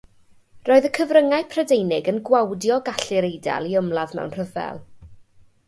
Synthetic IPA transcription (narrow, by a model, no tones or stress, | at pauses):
roːɨðəkʰəvrəŋaɨpʰradejnɪɡənɡwawdjɔɡaɬɪɾejda̰lˠiəmlˠaðmɛ̰wnr̥əvɛ̰lˠ